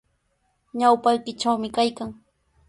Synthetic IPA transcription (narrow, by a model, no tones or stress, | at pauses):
ɲawpajkɪʈ͡ʂawmɪkajkaŋ